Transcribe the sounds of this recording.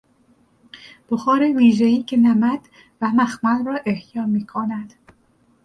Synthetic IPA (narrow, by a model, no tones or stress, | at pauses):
b̥oxɒːɾeviːʒeiːcʰenæmæd̪̥ | væmæxmælrɒːʔehjɒːmiːkʰonæd̪̥